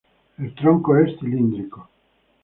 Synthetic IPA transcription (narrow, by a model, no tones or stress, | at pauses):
ilt̪ɾɔŋkoɛst̪ilind̪ɾiko